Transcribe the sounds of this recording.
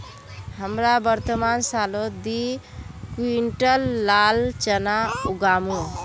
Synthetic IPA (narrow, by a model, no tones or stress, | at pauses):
ɦəmɾabəɾt̪əmansalod̪i | kuiɳʈəlːalt͡ʃənauɡamu